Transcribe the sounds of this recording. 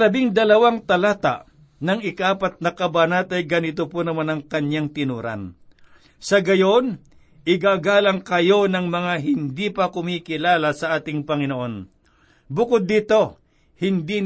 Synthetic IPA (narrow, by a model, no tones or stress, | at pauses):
lɐbɪŋd̪ɐlɐwaŋt̪ɐlaːt̪a̰ʔ | nɐŋɪkaʔaːpɐt̪̚nɐkɐbanat̪ɐjɡɐnɪt̪oponɐmanɐŋkɐɲjaŋt̪ɪnuːɾa̰n | sɐɡɐjo̞n | ʔɪɡaɡaːlɐŋkɐjo̞nɐŋmɐŋaɦɪnd̪ipɐkʊmiːkɪlaːlasɐʔaːt̪ɪŋpɐŋɪnoʔo̞n | bʊkod̪ːiːt̪o̞ | hɪnd̪i